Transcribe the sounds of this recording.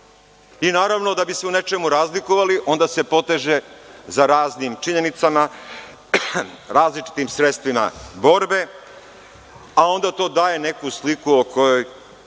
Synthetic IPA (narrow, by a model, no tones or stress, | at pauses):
inaːɾaʋno̞d̪abise̞une̞t͡ʃe̞muɾaːzlikoʋaliʔo̞nd̪ase̞po̞t̪e̞ʒe̞zaɾaːznimt͡ʃiɲe̞nit̪sama | ɾaːzlit͡ʃi̥t̪imsɾet̪st̪ʋima̰bo̞ɾbe̞ | ao̞nd̪at̪o̞ːd̪aːje̞ne̞kuslikuokʰo̞jo̞j